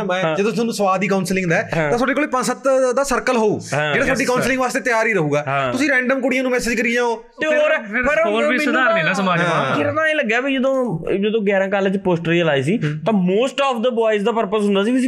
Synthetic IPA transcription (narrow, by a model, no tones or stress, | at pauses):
mɛ̃ːd͡ʒəd̪õʊnũːsəʋaːd̪iːkaʊnslɪ̃ŋɡd̪aːɛːt̪ãːsʰoːɖeːkoːliːpə̃nsət̪d̪aːsəɾkəlɦoːũːd͡ʒeːɽaːsʰoːɖiːkaʊnslɪ̃ŋɡʋaːst̪eːt̪ɪjaːɾiːɾəɦuːɡaːɦt̪ʊsĩːɾɛ̃ːɳɖəmkʊɽɪjãːnũːmɛːsɪd͡ʒkəɾiːɛ̃ːoː | t̪eːoːɾɛːpəɾoːɾimːd̪aːɾnĩːnaːsəmaːd͡ʒkɪɾnãːeːləɡːaːbiːd͡ʒəd̪õːd͡ʒəd̪õːɡɛːɾãːkaːlt͡ʃpoːsʈəɾiːəlaːiːs̬iːt̪ãːmoːsʈɔːpʰd̪əbaːisd̪aːpəɾpəsɦʊ̃nd̪aːsiːbiiː